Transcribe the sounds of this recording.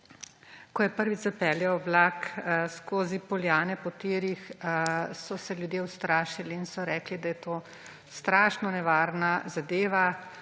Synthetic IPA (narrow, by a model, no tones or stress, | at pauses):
kɔjɛpəɾʋizapɛːljɛwblaːkskoːzipɔljaːnɛpɔt̪eːɾix | sɔsɛljud̪jewst̪ɾaːʃiliːnsɔɾɛːklid̪ajɛt̪oː | st̪ɾaːʃnɔnɛʋaːɾnazad̪eːʋa